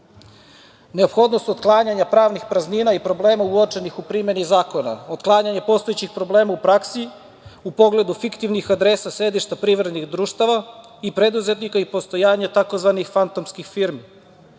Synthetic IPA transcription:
neo̞pxo̞d̪no̞st̪od̪klˠaːɲaɲapɾaːʋnixpɾazninaipɾo̞ble̞ːmauot͡ʂe̞nixupɾime̞nizaːko̞na̰od̪klˠaːɲaɲepo̞st̪oet͡ɕixpɾo̞ble̞ːmaupɾaksi | upo̞ɡle̞d̪ufikt̪iʋnixad̪ɾesasɾe̞d̪iʃt̪apɾiʋɾed̪nixd̪ɾuːʃt̪aʋa | ipɾe̞d̪uze̞t̪nikaipo̞st̪o̞jaːɲet̪ako̞zʋanixfant̪omskixfiɾmi

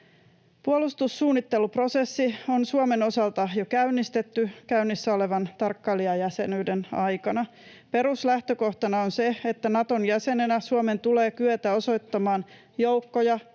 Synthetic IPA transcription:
puolust̪usːuːnːit̪ːelupro̞se̞sːionsuome̞no̞sɑlt̪ɑjo̞kæynːist̪e̞t̪ːykæynːisːæo̞le̞ʋɑnt̪ɑrkːɑliɑjæse̞nyidenɑjkɑnɑ | pe̞ɾuslæht̪øko̞ht̪ɑnɑonseet̪ːænɑt̪o̞njæse̞nenæsuome̞nt̪ule̞ːkyøt̪æo̞so̞jt̪ːɑmɑːn | jowkːojɑ

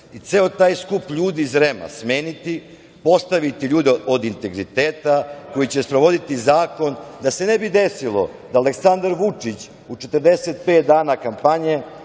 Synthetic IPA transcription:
it̪se̞ot̪aːjskupʎuːd̪iːzɾema̰smeːnit̪i | po̞st̪aʋit̪iʎuːd̪eod̪int̪e̞ɡɾit̪eːt̪ako̞jit͡ɕe̞spɾo̞ʋo̞d̪it̪izaːko̞nd̪ase̞nebid̪esilo̞̰d̪aːleksand̪aɾʋut͡ʂit͡ɕ | ut͡ʃet̪əɾd̪eset̪̚pe̞ːt̪̚d̪aːnakampaɲe̞

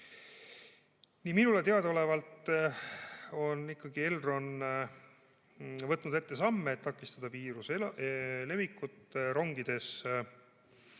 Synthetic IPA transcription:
niːminule̞t̪e̞ɑd̪o̞le̞vɑlt̪ | o̞nːikːɑɡ̥ie̞lro̞n | vɤt̪ːnud̪̥e̞t̪ːe̞sɑmːeːt̪ːɑkːˑist̪ɑd̪̥ɑpiːɾus | le̞vikːut̪ːɾo̞ŋɡid̪̥e̞s

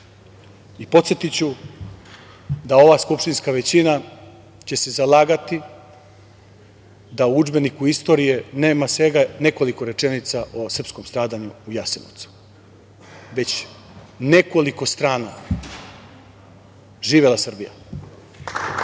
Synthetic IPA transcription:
ipo̞t̪sjet̪it͡ɕu | d̪ao̞ʋaskupʃt̪inskaʋe̞t͡ɕina | t͡ɕe̞se̞zalaːɡat̪i | d̪auud͡ʒbe̞nikuist̪o̞ɾije̞ne̞ːmasʋe̞ɡane̞ko̞liko̞ɾe̞t͡ʃenit̪saʔosr̩pskomst̪ɾaːd̪aɲuːjaseno̰t̪su̥ | ʋe̞t͡ɕ | ne̞ko̞liko̞st̪ɾaːna | ʒiːʋe̞lasr̩bija̰

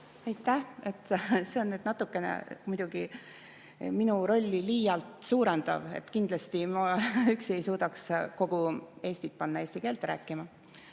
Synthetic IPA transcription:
ɑjt̪ːˑæhe̞t̪ːˑse̞o̞nːyːd̪̥nɑt̪ːˑukːe̞nḛmujd̪̥uɡ̥i | minuɾo̞lʲːiliːjɑlt̪suːɾend̪̥ɑ̰ve̞̰t̪ːkind̪lɑst̪imɑykse̞jsuːd̪̥ɑksko̞ɡ̥ue̞ːsʲt̪it̪̚pɑnːɑeːsʲt̪ike̞ːlt̪rɾæ̰ːkːˑimɑ

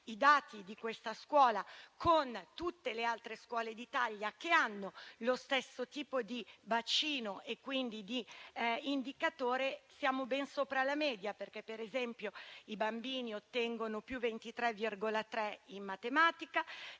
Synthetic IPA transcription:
id̪aːt̪id̪ikwest̪askwɔːlakʰont̪ut̪ːelealt̪ɾeskwɔːled̪it̪aʎːak̟eanːolost̪ɛsːot̪iːpod̪ibat͡ʃiːnoʔekːwind̪id̪iind̪ikat̪oːɾesjaːmobɛnsoːpɾalamɛːd̪japerkɛpːeɾezɛmpjoibambiːniot̪ːɛŋɡonopjuvent̪it̪ɾɛvirɡolat̪ɾɛimmat̪emaːt̪ika

